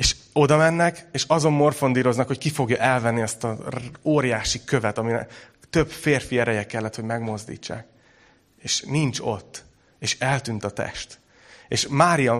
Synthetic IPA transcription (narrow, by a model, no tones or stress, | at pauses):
eːʃ | o̞d̪ɒmɛnːɛkeːʃɒzo̞mːo̞rfo̞nd̪iːɾo̞znɒkhockifo̞ɡjɒʔɛlvɛnːiɒst̪ɒoːɾijaːʃikø̞vɛt̪ɒminɛ̰ | t̪ø̞bfeːrfiɛɾɛjɛkɛlːɛt̪ho̞ɟmɛɡmo̞zd̪ḭːt͡ʃːa̰ːk | eːʃnint͡ʃo̞t̪ː | eːʃɛlt̪yːnt̪ɒt̪ɛ̰ʃt̪ | eːʃmaːɾijɒ